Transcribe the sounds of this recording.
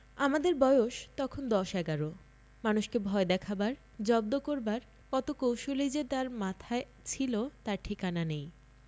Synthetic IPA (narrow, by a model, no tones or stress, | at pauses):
amad̪eɾbɔeoʃt̪ɔkʰond̪ɔʃɛɡaɾo | manuʃkebʱɔed̪ɛkʰabaɾ | d͡ʑɔbd̪okoɾbaɾ | kɔt̪okowʃolid͡ʑet̪aɾmat̪ʰae | t͡ɕʰilot̪aɾʈʰikananej